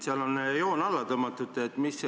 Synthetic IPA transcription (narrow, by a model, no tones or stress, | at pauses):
seɑlonjo̞ːnɑlːɑt̪ɤmːɑt̪ːˑut̪ːˑeːt̪ːmis